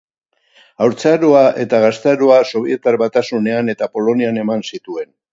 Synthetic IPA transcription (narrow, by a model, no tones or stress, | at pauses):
awɾt͡saɾuaʔe̞t̪aɣast̪eaɾuaso̞β̞ie̞t̪aɾβat̪asune̞ane̞t̪apo̞lo̞niane̞mansit̪ue̞n